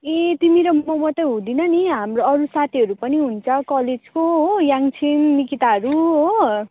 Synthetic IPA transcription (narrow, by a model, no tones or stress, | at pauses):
et̪imiɾomʌmʌt̪ʌjɦũd̪inʌniɦamroʌɾusat̪ʰiɦʌɾupʌniɦunt͡sʰʌkʌled͡zkoɦojaŋt͡sʰinːikit̪aʌɾuɦo